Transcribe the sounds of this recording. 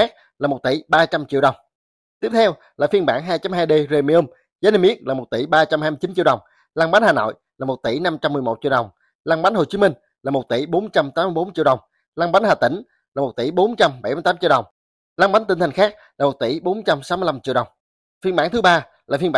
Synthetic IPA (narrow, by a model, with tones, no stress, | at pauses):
aː˦˥k̚ | laː˨˩mo˨˩t̚t̪ḭ˧˩ɓaː˧t͡ɕa˧mt͡ɕḭ˧˨əwɗə˨˩wŋ͡m | t̪i˦˥əp̚t̪ʰɛ˧w | laː˨˩fi˧ənɓaː˧˩nɦaː˧jt͡ɕa˨˦mɦaː˧jɗe˧ze˧mi˧ə˧m | zaː˨˦ne˧mʔi˦˥ək̚laː˨˩mo˨˩t̚t̪i˧˩˦ɓaː˧t͡ɕa˧mha˧jm˧t͡ɕi˨˦nt͡ɕḭ˧˨wɗə˨˩wŋ͡m | laː˧ŋɓa˨˦nhaː˨˩no̰˧˨jlaː˨˩mo˨˩t̚t̪i˧˩˦na˧mt͡ɕa˧mːɨ˨˩əjmo˨˩t̚t͡ɕḭ˧˨wɗə˨˩wŋ͡m | laː˧ŋɓa˨˦nho˨˩t͡ɕi˨˦mï˧ŋ̟ | laː˨˩mo˨˩t̚t̪i˧˩ɓo˨˦nt͡ɕa˧mt̪aː˨˦m˧jɓo˨˦nt͡ɕḭ˧˨əwɗə˨˩wŋ͡m | laː˧ŋɓa˨˦nhaː˨˩t̪ï˧˩ŋ̟ | laː˨˩mo˨˩t̚t̪i˧˩ɓo˨˦nt͡ɕa˧mɓa˧˩˦jmɨ˧j̪aː˨˦t͡ɕi˧˨ɗə˨˩wŋ͡m | laː˧ŋɓa˨˦n̟i˧˩ŋ̟t̪a˨˩ŋxaː˦˥k̚laː˨˩mo˨˩t̚t̪i˧˩ɓo˨˦nt͡ɕa˧msa˨˦wmɨ˧jla˧mt͡ɕḭ˧˨ɗə˨˩wŋ͡m | fi˧ənɓaː˧˩nt̪ɨ˨˦ɓaː˧ | laː˨˩fi˧nmɓː